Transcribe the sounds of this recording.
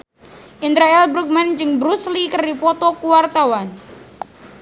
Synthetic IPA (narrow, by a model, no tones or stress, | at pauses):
ʔint̪ɾaɛlbɾuk̚mand͡ʒɨŋbɾuslikərdipɔt̪ɔkuwart̪awan